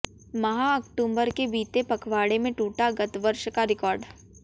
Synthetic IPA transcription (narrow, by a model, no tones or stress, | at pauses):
mɐɦaɐkʈũːmbəɾkebiːt̪epɐkʰʋaːɽemẽʈuːʈaɡɐt̪ʋɐɾʃkaɾɪkɔːɾɖ